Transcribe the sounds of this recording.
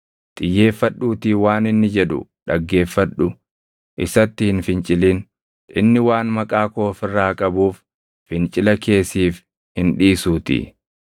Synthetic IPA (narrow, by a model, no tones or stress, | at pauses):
t̪ʼɪjːeːfːɐɗːuːt̪iːwaːnɪnːɪd͡ʒɛᶑʊ̰ᶑɐɡːe̞ːfːɐᶑʊ | ʔɪsɐt̪ːɪhɪnfɪnt͡ʃʼɪliːn | ʔɪnːɪwaːnmɐkʼaːko̞ːfɪrːaːkʼɐbuːfː | ɪnt͡ʃʼɪlɐke̞ːsiːf | hɪnᶑiːsuːt̪ḭ